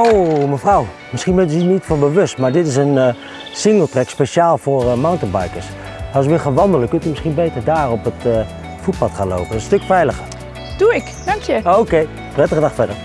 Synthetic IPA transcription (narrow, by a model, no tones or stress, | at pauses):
owməfraw | mɪsχinbɛntnitfɔnbəʋøstmaːɹdɪtɪs̬ən | sɪŋɡəlˠtrɛkspeʃjaːlˠfoːrmawntənba̰jkəɹs | ɑlˠsʋɪlˠxaːnʋɑndələkøntəmɪsχinbeːtərdaːrɔpət | fut̚pɑtχaːnlo̰wpəənstøkfɛjləxə | d̥uɪk | dɑŋkjəoːkej | prɛtəədɑχfɛdər